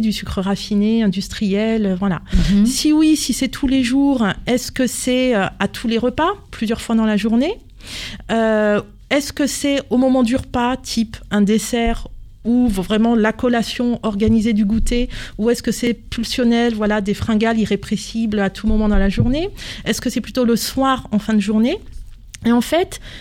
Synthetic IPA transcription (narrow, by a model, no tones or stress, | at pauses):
d̪ysykχəʁafineɛ̃d̪yst̪χijɛløvwala̰siwisisɛt̪ʰuleʒuʁɛskəsɛøat̪ʰuleʁəpaplyzjœʁfwad̪ɑ̃laʒuʁne | ø | ɛskəsɛomɔmɑ̃d̪yʁəpat̪ʰipɛ̃d̪esɛʁ | uvvʁɛmɑ̃lakɔlasjɔ̃ɔʁɡanized̪yɡut̪euɛskəsɛpylsjɔnɛlvwalad̪efχɑ̃ɡaliʁepχesiblat̪ʰumɔmɑ̃d̪ɑ̃laʒuʁneɛskəsɛplyt̪oləswaʁɑ̃fɛ̃d̪əʒuʁne | eɑ̃fɛt̪